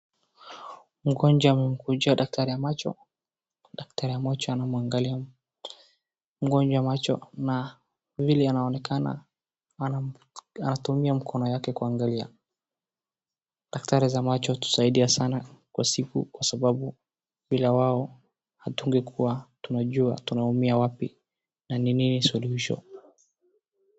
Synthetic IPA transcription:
m̩ɡɔnd͡ʒaːmɛm̩kud͡ʒaɗak̚taɾijamat͡ʃɔ̰ | ɗak̚taɾijamat͡ʃɔanamuaŋɡalia | m̩ɡɔnd͡ʒaamat͡ʃɔ̰na | vilɛanaɔnɛkʰana̰ | anatumiam̩kʰɔnɔjakɛkuaŋɡalia̰ | ɗaktaɾizamat͡ʃɔtu̥saiɗiasanakwasikṵkwasaɓaɓu | ɓilawaɔ | hatuŋɡɛkʰuwatunaʄuatunaumiawapḭ | nanininisuluhiʃɔ̰

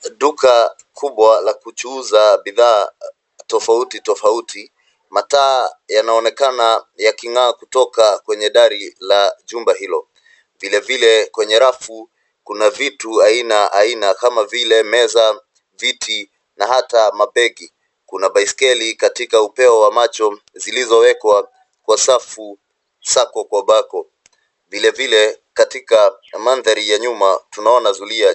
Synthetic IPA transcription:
ɗuka | kʰuɓwalakut͡ʃuːzaɓiðaː | tɔfautitɔfautʰi | mataːjanaɔnɛkanajakiŋaːkutɔkakwɛɲɛɗaɾilaʄumbaɦilɔ | vilɛvilɛkwɛɲɛɾafu | kunavituainaʔainakamavilɛmɛza | vitʰi | naɦatamapɛɡi | kunaɓaiskɛlikatikaupɛɔwamat͡ʃɔ | zilizɔwɛkwa | kwasafu | sakɔkwaɓakɔ | vilɛvilɛkatika | manðaɾijaɲumatunaɔnazulia

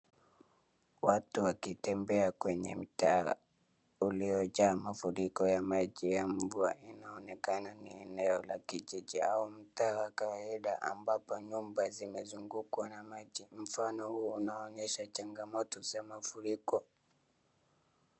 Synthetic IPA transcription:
watuwakitɛmbɛakwɛɲɛm̩taa̰ | uliɔʄaːmafuɾikɔjamaʄijam̩vuainaɔnɛkananiɛnɛɔla̰kiʄiʄiaum̩taːwakawaiɗaʔa̰mbapɔɲumbazimɛzuŋɡukwanamaʄim̩fanɔhuunaɔɲɛʃat͡ʃaŋɡamɔtɔzamafuɾikɔ

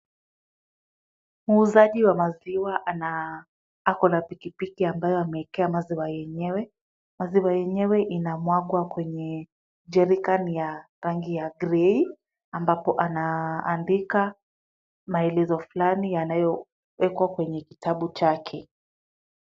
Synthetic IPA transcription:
muːzaʄiwamaziwaʔana | akɔnapikipikiambajɔamɛɛkɛamaziwajɛɲɛwɛ | maziwajɛɲɛwɛʔinamwaɠwakwɛɲɛ | d͡ʒɛɾikanija | ɾaŋɡijaɡɾɛi | ambapɔʔanaːndika | maɛlɛzɔfulanijanajɔ | wɛkwakwɛɲɛkitaɓut͡ʃakʰɛ

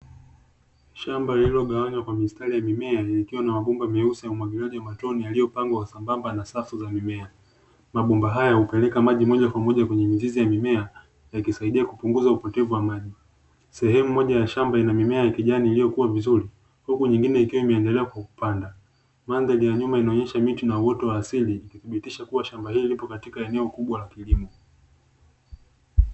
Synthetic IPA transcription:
ʃambaililɔɠawaɲwakwamistalijamimɛaikiwanamaɓumbamɛusijaumwaɡilaʄiwamatɔnijalijɔpaŋɡwawasambambanasafuzamimɛa | maɓumbaɦajahupɛlɛkamaʄimɔʄakwamɔʄakwɛɲɛmizizijamimɛa | jakisaiɗiakupuŋɡuzaupɔtɛvuwamaʄi | sɛhɛmumɔʄajaʃambainamimɛajakiʄaniːlijɔkuwavizuɾi | hukuɲiŋɡinɛikiwaimɛːndɛlɛakwaku̥panda | mandɛlijaɲumainaɔɲɛʃamitinauwɔtɔwaːsiliːkiθiɓitiʃakuwaʃambahiːlipɔkatikaɛnɛɔkuɓwalakilimɔ

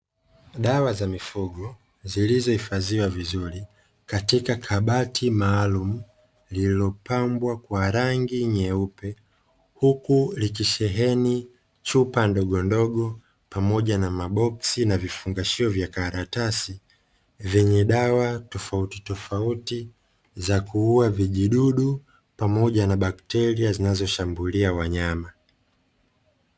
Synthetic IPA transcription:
ɗawazamifuɡɔ | zilizɔhifaziwavizuɾi | katikakʰaɓatʰimaːlumu | lilɔpambwakwaɾaŋɡiɲɛupɛ | hukulik̬iʃɛɦɛni | t͡ʃupandɔɠɔndɔɠɔ | pamɔʄanamaɓɔksinavifuŋɡaʃiɔvjakaɾatasi | vɛɲɛɗawatɔfauti̥tɔfauti | zakuuaviʄiɗuɗu | pamɔʄanaɓaktɛɾiazinazɔʃambuliawaɲama

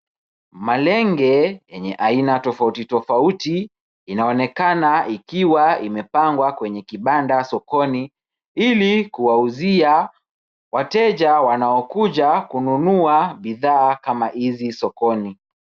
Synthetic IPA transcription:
malɛŋɡɛjɛɲɛʔainatɔfautitɔfautiː | naɔnɛkanaikiwaimɛpaŋɡwakwɛɲɛkiɓandasɔkɔni | ilikuwauzia | watɛʄawanaɔkuʄakununuaɓiðaːkamahizisɔkɔni

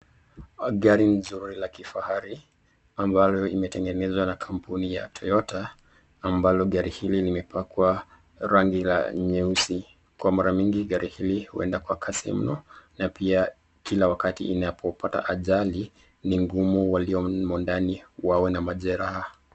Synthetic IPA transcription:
ɠaɾinzuɾilakifahaɾi | ambalɔimɛtɛŋɡɛnɛzwanakʰampunija̰tʰɔjɔtaː | mbalɔɠaɾihililimɛpakwa | ɾaŋɡila̰ɲɛusi | kwamaɾamiŋɡiɠaɾihilihṵɛ̰ndakwakʰasḭm̩nɔnapia | kilawakatḭʔːnapʰɔpʰata̰ʔaʄali | niŋɡumuwaliɔmɔndaniwawɛnamaʄɛɾaha

